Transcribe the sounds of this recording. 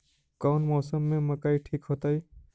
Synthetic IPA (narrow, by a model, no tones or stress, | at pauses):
kaːnmɔːsəmːẽməkaːiʈʰiːkɦoːt̪ai